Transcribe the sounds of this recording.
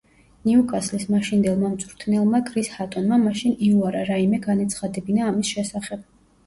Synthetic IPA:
niukʼaslismaʃind̪ɛlˠmamt̪sʼɾt̪ʰnɛlˠmakʼɾishat̪ʼɔnmamaʃiniuaɾaɾaimɛɡanat̪sʰχad̪ɛbinaːmisʃɛsaχɛb̥̚

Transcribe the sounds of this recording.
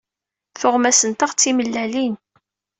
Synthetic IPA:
θʊʁmæsənt̪aʁt͡sːiməlːælin

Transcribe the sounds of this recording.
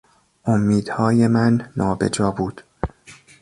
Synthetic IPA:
ʔomːiːd̪̥hɒːje̞mænːɒːbḛd͡ʒɒːbuːd̪̥

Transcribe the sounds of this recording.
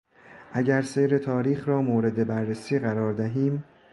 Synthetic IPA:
ʔæɟæɾse̞jɾe̞t̪ʰɒːɾiːxɾɒːmoːɾe̞d̪e̞bæɾːesiːɣæɾɒːɾd̪æɦiːm

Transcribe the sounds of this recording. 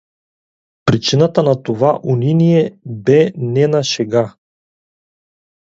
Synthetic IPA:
pɾit͡ʃinat̪anat̪ovaʔuninijɛbɛnɛnaʃɛɡa

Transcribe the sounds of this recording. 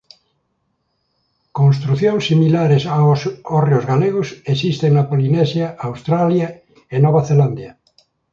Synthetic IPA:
konst̪ɾuθjoŋsːimilaɾesaosorjozɣaleɣosesist̪eŋnapolinesjaawst̪ɾalja | enoβ̞aθeland̪ja

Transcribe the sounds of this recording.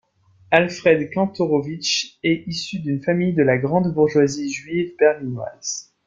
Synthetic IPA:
alfχɛd̪kɑ̃t̪ɔʁovit͡ʃɛisyd̪ynfamijd̪əlaɡʁɑ̃d̪buʁʒwaziʒɥivbɛʁlinwa̰z̥

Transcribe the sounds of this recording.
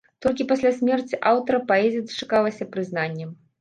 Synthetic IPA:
t̪ɔlʲkʲipasʲlʲasʲmʲɛrt͡sʲiʔawt̪ɐɾɐpaɛzʲijɐd̪ɐ̥t͡ʂḁkalˠɐsʲɐpɾɨzn̪anʲːɛm

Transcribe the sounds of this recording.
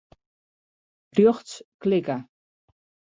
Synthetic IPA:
pɾjoχt͡sklɪka

